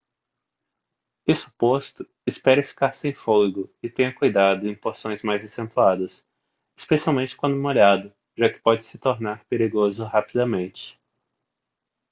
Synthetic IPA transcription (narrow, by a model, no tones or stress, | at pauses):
ɪsu̥post̪ʊ | ɪspɛɾɐfi̥kaɾsẽj̃folɡʊɪt̪ẽɲɐkujd̪ad̪ʊẽj̃poɾsõj̃zmajzasẽnt̪uad̪ɐs | ɪspesiawmẽnt͡ʃɪ̥kwɐ̃d̪ʊũmoʎad̪ʊ | ʒakɪ̥pɔd͡ʒɪsɪ̥t̪oɾnaɾpeɾiɡozʊhapid̪ɐmẽnt͡ʃɪ̥